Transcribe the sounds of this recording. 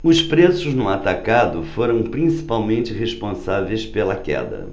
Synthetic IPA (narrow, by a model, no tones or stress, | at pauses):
ʊspɾesʊznʊat̪akad̪ʊfoɾɐ̃w̃pɾĩsi̥pawmẽnt͡ʃɪɦeʃpõsavejspelɐkɛ̰d̪ɐ̰